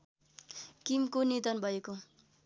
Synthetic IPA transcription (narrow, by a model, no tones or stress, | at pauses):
kimkonid̪ʌnbʱʌeko